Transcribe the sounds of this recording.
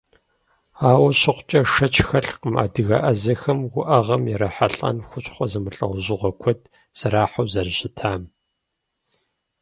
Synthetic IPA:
aːwɐɕɪqʷt͡ʃʼɐʂɐt͡ʃʰʼxɐɬqəma̰ːdɨɣɐ̰ʔɐzɐxɐmɡʷʊʔɐʁɐmjɛɾɐħaɬʼɐ̰nxʷʊt͡ʃʼχʷɔzɐmɨɬʼɐ̰wʷʑɪʁʷɐkʷʰɔd̚ | z̥ɐɾaːħawzɐrɕɪtʰaːm

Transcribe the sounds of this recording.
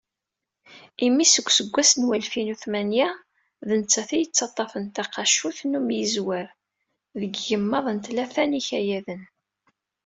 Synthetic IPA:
imːisəɡʷːsəɡʷːæsənwælfinuθmænjæ | ðənt͡sːæθijət͡sːɑt̪ˤːɑfənt̪æqɑʃuθnumjəzwəɾ | ðəɡjəmːɑðˤənt̪læθæniçæjæðən

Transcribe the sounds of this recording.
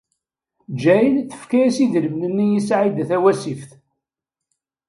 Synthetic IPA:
d͡ʒæjəlθə̥fkæjæsiðɾəmnənːijisʕid̪æθæwæsifθ

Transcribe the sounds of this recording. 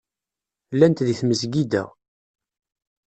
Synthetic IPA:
lːænt̪ðiθməzɡid̪æ̰

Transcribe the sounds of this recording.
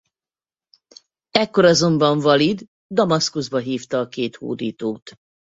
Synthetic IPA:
ɛkːo̞ɾɒzo̞mbɒɱvɒlid̪ | d̪ɒmɒskuzbɒɦiːft̪ɒːkeːt̪hṵːd̪iːt̪oːt̪

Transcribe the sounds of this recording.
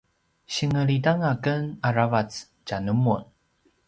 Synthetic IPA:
ɕiŋəɭidaŋakənaɾavat͡s | canəmun

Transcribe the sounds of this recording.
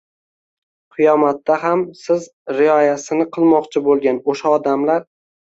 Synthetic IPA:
qʰɨjɒmat̪ːaɦamsɪz | ɾɪɒjasɪnɪqʰɨlˠmɒqt͡ʃʰɪbolˠɡʲanoʃaɒd̪amlaɾ

